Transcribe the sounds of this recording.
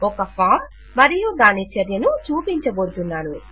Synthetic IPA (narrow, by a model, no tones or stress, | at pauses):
ɔkɐpʰaːm | mɐɾijud̪aːnit͡ʃɐɾjɐnut͡ʃuːpiɲt͡ʃɐɡoːɾt̪unːaːnu